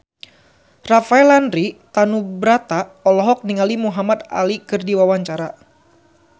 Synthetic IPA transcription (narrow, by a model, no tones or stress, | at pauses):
rafaɛlanɾit̪anubɾat̪aɔlɔɦɔk̚niŋalimuɦamat̪a̰likɨrdiwawaɲt͡ʃaɾa